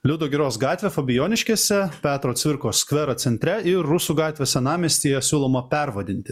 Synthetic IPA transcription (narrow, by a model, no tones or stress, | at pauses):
lʲuːd̪oːɡʲɪɾoːsɡɑːt̪ʲʋʲeːfobʲɪjoːnʲɪʃʲkʲeːsʲɛpʲæːt̪ɾoːt̪sʋʲɪɾkoːskʋʲɛɾɐt̪sʲɛnʲt̪ʲɾʲɛɪɾːʊsuːɡɑːt̪ʲʋʲeːsʲɛnɑːmʲisʲt̪ʲiːjɛsʲuːlˠoːmɐpʲɛɾʋɐd̪ʲɪnʲt̪ʲɪ